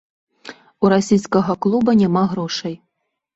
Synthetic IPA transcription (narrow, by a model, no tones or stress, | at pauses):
uɾasʲijskɐɣɐklˠubɐnʲamaɣɾɔʂɐj